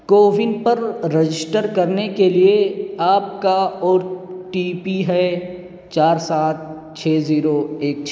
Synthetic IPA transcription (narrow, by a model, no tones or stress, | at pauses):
koːʋɪnɖpɐɾɾed͡ʒɪsʈəɾkɐɾnekelieaːp̚kaɔːɾʈiːpiɦɛ | t͡ʃaːɾsaːt̪̚ | t͡ʃʰeːziːɾoeːk̚t͡ʃʰ